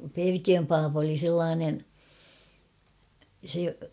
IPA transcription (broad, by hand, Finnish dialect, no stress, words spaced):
perkiøm pɑːpɑ̆ oli selːɑːnen̞ se